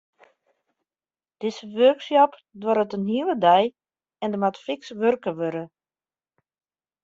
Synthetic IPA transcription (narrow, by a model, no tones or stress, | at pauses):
d̥ɪsəʋørksjɔpdwɔɾətənɦiələdɛj | ɛndəmatfɪksʋørkəʋøɾə